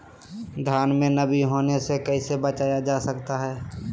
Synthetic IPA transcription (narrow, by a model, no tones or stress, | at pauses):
d̪ʱjaːnmẽnəbiɦoːnesekəisebət͡ʃaːjad͡ʒaːsəkt̪aɦɛː